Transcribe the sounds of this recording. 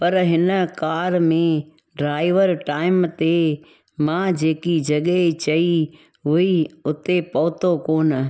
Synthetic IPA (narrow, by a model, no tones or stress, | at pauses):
pɐɾɦɪnəkaːɾmẽ | ɖɾaːɪʋəɾʈaːɪmt̪e | mãd͡ʒeːkid͡ʒɐɠet͡ʃɐi | ɦʊiʊt̪epɐːt̪okoːn